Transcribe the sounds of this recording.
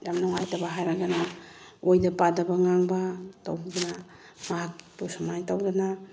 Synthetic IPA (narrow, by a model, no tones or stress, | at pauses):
damnoŋajtabaɦajɾaɡanaojdapadabaŋaŋbatawɡana | maɦat̚pusamajtawɡana